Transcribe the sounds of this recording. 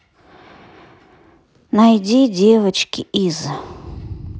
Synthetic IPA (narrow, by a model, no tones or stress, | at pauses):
najdʲidʲevət͡ʃkʲiʔiz